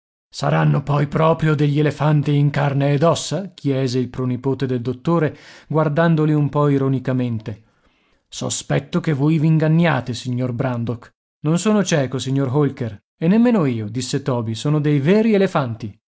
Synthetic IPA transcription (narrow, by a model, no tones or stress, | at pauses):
saɾanːopɔjpɾɔːpɾjod̪eʎːelefant̪iːŋkarneːd̪ɔsːak̟ʰjɛːzeilpɾonipoːt̪ed̪eld̪ot̪ːoːɾeɡward̪and̪oliumpɔiɾonikament̪e | so̰spɛt̪ːokevːojviːŋɡanːjaːt̪esiɲːorbɾand̪ok | nonsoːnot͡ʃɛːkosiɲːorɦolker | enːemːeːnoiːod̪isːet̪ɔːbisoːnod̪ejveːɾielefant̪i